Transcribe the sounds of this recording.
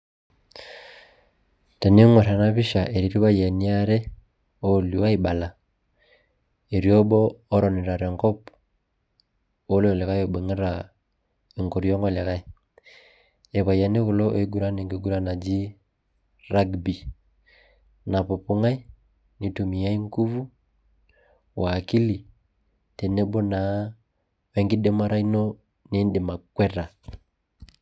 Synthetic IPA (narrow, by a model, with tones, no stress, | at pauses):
ta˨ni˦ŋwo˨ɾa˨na˦βi˦ʃa˨ʔe˨ɾi˨ɾi˦βa˦je˨ni˦a˦ɾe˦ | oli˨wa˦i˦ɓa˨la˨ | e˨ɾjɔ˦bɔː˦ɾɔ˨ni˨ɾa˨ɾeŋkɔ˦p | o˦le˦ɔ˨le˨ɣa˦jo˨ɓe˨ŋe˦ɾa | i˨ŋko˨ɾijɔ˦ŋɡɔ˦le˨ɣa˦i | e˨βa˨ja˨ne˦ɣu˨lɔ˦ʔo˨i˦ɡu˦ɾa˦ne˨ŋɡe˨ɡu˦ɾa˦na˨d͡ʒi˦ | ɾa˦ɡbi˨ | na˨pɔ˨pu˦ŋa˦i˦ | ni˨tu˨mi˨ja˦i˦ŋku˦vu˦ | wʔaː˨ki˦li˨ | tɛ˨nɛ˦ɓɔ˦na˨˦ | wɛ˨˦ŋɡi˦dɛ˦ma˦ɾa˦i˦nɔ˦ | ne˨˦nde˨ma˨kwɛ˦ɾa˨